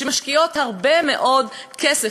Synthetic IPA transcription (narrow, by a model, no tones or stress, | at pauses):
emaʃkio̞thaʁbemeʔo̞d | kʰese